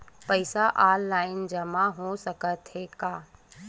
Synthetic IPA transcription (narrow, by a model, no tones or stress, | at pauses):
pəɪsaʔaːlːaːɪnd͡ʒɐmaɦosɐkət̪ɦekaː